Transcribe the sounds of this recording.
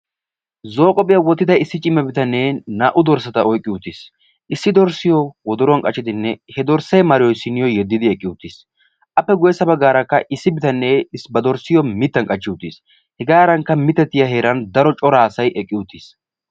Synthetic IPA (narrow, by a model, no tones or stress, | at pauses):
zoːkʼɔpʼɪjɐwɔt̪ːɪd̪ɐɪsːɪt͡ʃʼɪmːɛbɪt̪ɐnːɛnaːʔʊd̪ɔɾsɐt̪ɐɔjkʼːɪʊt̪ːis | ʔɪsːɪd̪ɔɾsɪjɔwɔd̪ɔɾɔɐnkʼɐt͡ʃːɪd̪ɪnːɛhɛd̪ɔɾsɛjmɐɾɪjɔsːɪnːɪjɔjɛd̪ːɪd̪ɪɛkʼːɪʊt̪ːiːs | ʔɐpːɛɡɔjɛsːɐbɐɡaːɾɐkːɐ̰ʔɪsːɪbɪt̪ɐnːɛɪsbɐd̪ɔɾsɪjɔmɪt̪ːɐŋkʼɐt͡ʃːɪʊt̪ːḭs | hɛɡaːɾɐŋkːɐmɪt̪ːɛt̪ːɪjɐɦeːɾɐnd̪ɐɾɔt͡ʃʼɔɾaːsɐjʔɛkʼːɪʊt̪ːiːs